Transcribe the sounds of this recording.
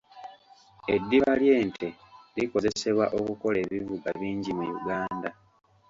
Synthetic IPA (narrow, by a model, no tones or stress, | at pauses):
e̞dːiβalje̞ːntʰe̞liko̞ze̞se̞βwaʔo̞kuko̞le̞ːβivuɡaβiːɲɟimujṵɡaːnda